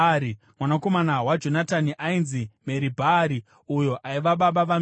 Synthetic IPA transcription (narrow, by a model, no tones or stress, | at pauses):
i | mwanako̞manawad͡ʒo̞nataniʔainzime̞ɾibʱaɾi | ujoʔaiʋaɓaɓaʋa